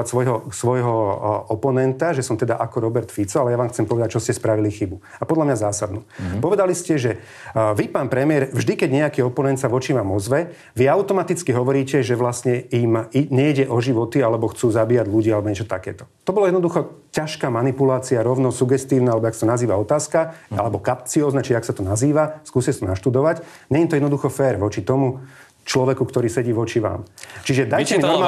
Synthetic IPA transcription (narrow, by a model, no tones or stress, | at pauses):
at̪sʋɔjɦɔsʋɔjɦɔɔpɔnɛnt̪aʒɛsɔmt̪ɛd̪aʔakɔɾɔbɛɾt̪fit͡sɔalɛjaʋaːmxt͡sɛmpɔʋɛd̪ac̚t͡ʃɔscɛspɾaʋilixibu | apɔd̪lamɲazaːsad̪nuːpɔʋɛd̪aliscɛʒɛ | ʋipaːnpɾɛmɪɛɾvʒd̪ikɛɟɲɛakiɔpɔnɛnt̪saʋɔt͡ʃimamɔzʋɛ | ʋiaʊt̪ɔmat̪it͡skiɦɔʋɔɾiːcɛʒɛʋlasɲɛimiɲɛiɟɛʔɔʒiʋɔt̪ialɛbɔxt͡suːzabiːjaɟʎuɟialɛbɔɲɛt͡ʃɔ̥t̪a̰kɛ̰ːt̪ɔ̥t̪ɔbɔlɔjɛd̪nɔd̪uxɔcaʃkaːmanipulaːt͡siaɾɔʊnɔsuɡɛst̪iːʊnaalɛbɔaksḁt̪ɔnaziːʋaɔt̪aːskaa̰lɛbɔkapt͡siɔːznat͡ʃiʒɛaksat̪ɔnaziːʋaskuːscɛsɔnaʃt̪ud̪ɔʋac | ɲɛimt̪ɔjɛd̪nɔd̪uxɔfɛːɾʋɔt͡ʃit̪ɔmu | t͡ʃlɔʋɛkukt̪ɔɾiːsɛɟiːʋɔt͡ʃiʋa̰ːmt͡ʃiʒɛd̪ajcɛmiɔ